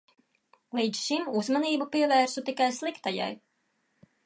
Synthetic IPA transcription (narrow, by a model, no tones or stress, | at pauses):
lˠiːd̪zʃimuzmaniːbupiɛvæːɾsut̪ikajslˠikt̪aja̰j